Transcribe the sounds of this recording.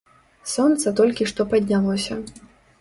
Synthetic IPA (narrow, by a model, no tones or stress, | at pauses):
sɔnt̪sɐt̪ɔlʲkʲiʂt̪ɔpɐd̪ʲnʲalˠɔsʲɐ